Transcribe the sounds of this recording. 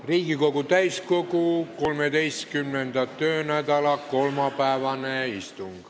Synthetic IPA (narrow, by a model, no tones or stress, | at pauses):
riːkikokut̪æiskokukolmed̪ejst̪kymːend̪̥æt̪øːnæd̪ɑlɑkolmɑpæˑeʋɑneist̪uŋɡ̥ɑ